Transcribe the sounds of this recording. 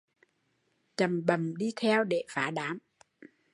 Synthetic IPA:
t͡ɕə˨˩mɓə˨˩mɗi˧t̪ʰɛ˧wɗe˧˩faː˨˦ɗaː˨˦m

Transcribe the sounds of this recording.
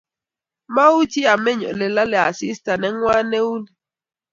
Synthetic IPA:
ma˦u˦ti˦a˨mɛ˦ɲɔ̰˨lɛ˨la˦lɛ˨a˨si˦sta˨nɛ˦ŋwa˦ne˦u˦ni˨

